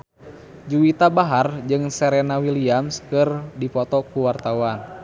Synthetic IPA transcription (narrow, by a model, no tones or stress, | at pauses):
d͡ʒuwit̪abaɦard͡ʒɨŋsɛɾɛnawiliamskɨrdipɔt̪ɔkuwart̪awan